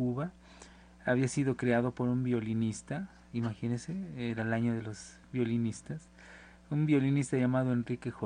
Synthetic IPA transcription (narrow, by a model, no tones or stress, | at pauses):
uβa | aβiasiðo̞kɾeaðo̞po̞ɾumbjo̞linist̪a | imaxinenseeɾaelaɲo̞ðelo̞z | bjo̞linist̪as | umbjo̞linist̪aʝamaðoe̞nrikexo